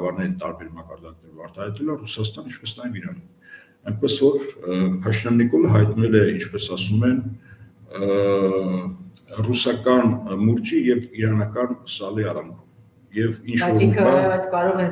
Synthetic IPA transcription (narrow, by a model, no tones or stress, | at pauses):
vɑɾnɛɾit̪ɑ̰ɾbɛɾmɑkɑɾd̪ɑk̚nɛɾɔvɑɾt̪ʰɑhɑjt̪ɛlərusɑst̪ɑnint͡ʃʰpɛsnɑjɛviɾɑni | ɑjnpɛsvɔɾpʰɑʃnɑnːikɔləɦɑjt̪nɛlɛint͡ʃʰpɛsɑsumɛn | rusɑkɑnmuɾt͡ʃijɛviɾɑnɑkɑnsɑliɑɾɑmɾum | jɛvint͡ʃʰvɔɾivɛt͡sʰkɑɾɔʁɛ